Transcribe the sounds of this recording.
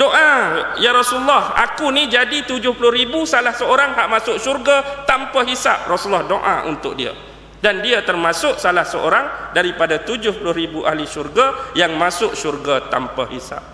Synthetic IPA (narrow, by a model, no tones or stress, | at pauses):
doʔajaɾɔsulːɔha̰kunid͡ʒadit̪ud͡ʒʊhpulʊhɾibusalahsəoɾaŋɦaʔmasʊʔʃurɡat̪ampaɦisap̚rɔsulːɔhdoʔã̰ʔṵnt̪ʊʔ̚dia̰ | dandiat̪ərmãsʊʔsalahsəʔo̰ɾaŋdaɾipadat̪ud͡ʒʊhpulʊhɾibuʔa̰hliʃurɡajaŋmãsʊʔ̚ʃurɡat̪a̰mpahisa̰p̚